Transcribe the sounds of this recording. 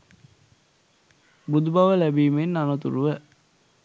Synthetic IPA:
bud̪ubɐʋəlæbiːmenːanɐt̪uɾuʋæ

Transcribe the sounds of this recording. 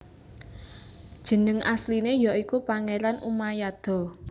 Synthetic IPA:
d̥ʒ̥ə̤nəŋʔaslinejɔʔikupaŋeɾanʔumajad̪̥ɔ̤

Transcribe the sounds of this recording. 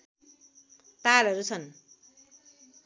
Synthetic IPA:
t̪alʌɾut͡sʰʌn

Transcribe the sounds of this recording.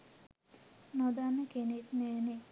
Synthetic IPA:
nod̪anːəkenet̪nɛːne

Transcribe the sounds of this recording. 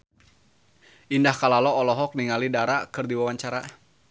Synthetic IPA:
ʔindahkalalɔːlɔɦɔk̚niŋalidaɾakɨrdiwawaɲt͡ʃaɾa

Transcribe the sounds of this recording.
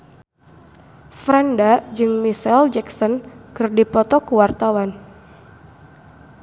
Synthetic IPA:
fɾandad͡ʒɨŋmisɛld͡ʒɛksɔnkɨrdipɔt̪ɔkuwart̪awan

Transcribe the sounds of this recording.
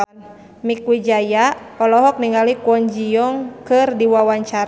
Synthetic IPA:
mikwid͡ʒajapɔlɔɦɔk̚niŋalikuɔɲd͡ʒijɔŋkɨrdiwawaɲt͡ʃaɾ

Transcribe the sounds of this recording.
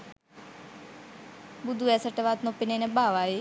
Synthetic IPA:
bʊd̪ʱuːɛsəʈəʋaːt̪nõpɪnenɛ̃baːʋaːɦeː

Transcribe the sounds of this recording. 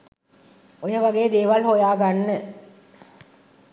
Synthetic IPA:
ojɐʋɐɡejd̪eːʋɐlhojaːɡanːɨ

